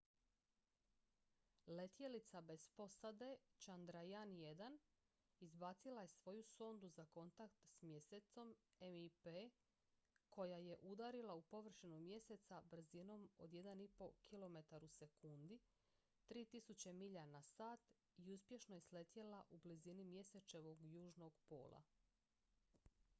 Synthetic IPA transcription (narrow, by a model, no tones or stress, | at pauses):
le̞t̪je̞lit̪sabe̞spo̞sad̪e̞t͡ʃand̪ɾajanje̞d̪an | izbat̪silˠaje̞sʋo̞juso̞nd̪uzako̞nt̪akt̪smje̞set̪so̞memipe | ko̞jaje̞ʔud̪aɾilˠaupo̞ʋr̩ʃinumje̞se̞t̪sabr̩zino̞mo̞̰d̪je̞d̪anipo̞kʰilˠo̞me̞t̪aɾuse̞kund̪i | t̪ɾiːt̪isut͡ɕe̞miʎanasaːt̪ | iuspje̞ʃno̞jesle̞t̪jelaʔublizinimje̞se̞t͡ʃe̞ʋo̞ɡjuːʒno̞ɡpo̞̰ːlˠa̰